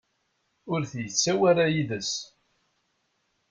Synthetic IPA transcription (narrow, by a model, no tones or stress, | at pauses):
ʊɾθjət͡sːæwaɾajiðəs